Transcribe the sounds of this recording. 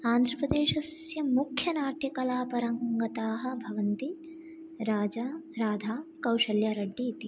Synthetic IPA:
aːnd̪ʱɾɐpɾɐd̪eːʃɐsjɐmukʰjɐnaːʈʰikɐlaːpɐɾɐŋɡɐt̪aːɦɐ̆bʱɐʋɐnt̪i | ɾaːd͡ʒaːɾaːd̪ʱaːkɐwʃɐljaːɾɐɖːit̪i

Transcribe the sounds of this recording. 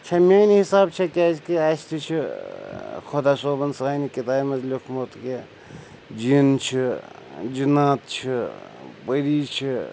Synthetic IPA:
t͡ʃʰɐmʲaːniɦisaːbt͡ʃʰekʲaːskiaːst̪ʰit͡ʃʰi | kʰod̪aːsoːbɐnsaːjnikit̪aːmɐzlʲokʰmot̪ke | d͡ʒint͡ʃʰi | d͡ʒinaːt̪t͡ʃʰipəɾit͡ʃʰi

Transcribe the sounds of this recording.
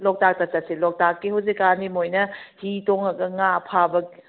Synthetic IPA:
lɔk̚tak̚tɐtɐselɔk̚takːihawzikanimojnɐhitoŋɐɡɐŋapʰabɐki

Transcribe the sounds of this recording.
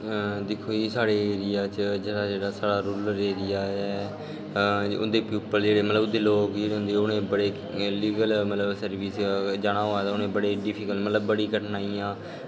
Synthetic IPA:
d̪ɪkʰːoːiːsaːɽeːeːɾɪjaːt͡ʃd͡ʒeːɽaːd͡ʒeːɽaːsaːɽaːɾʊlɾeːɾɪjaːɛː | ʊ̰nd̪eːpjuːpəld͡ʒeːɽeːmət̪ləbʊd̪eːloːkd͡ʒeːɾõːnd̪eːʊnẽːbəɽeː | liːɡəlmət̪ləbsəɾʋiːsd͡ʒaːɽ̃aːɦoːaːt̪aʊnẽːbəɽeːɖɪpʰiːkəlmət̪ləbːəɽiːkəʈnaːiːãː

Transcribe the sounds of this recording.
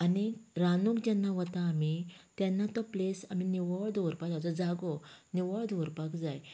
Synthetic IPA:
aniɾanukd͡ʑɛnːaʋət̪aːmit̪jɛnːat̪ɔplesaminiʋɔɭd̪oɾpakd͡zad͡zɔd͡zaɡɔniʋɔɭd̪ʱoɾpakd͡zaj

